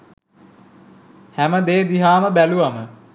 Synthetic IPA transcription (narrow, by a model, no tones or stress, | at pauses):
hæməd̪eːd̪iɦaːməbæluʋamə